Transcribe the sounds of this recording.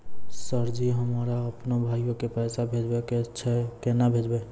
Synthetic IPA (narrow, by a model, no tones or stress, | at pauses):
səɾd͡ʒiɦəmaːɾaəpnobʱaːjõkepɛːsabʱed͡ʒbeket͡ʃʰɛkenabʱeːd͡ʒbe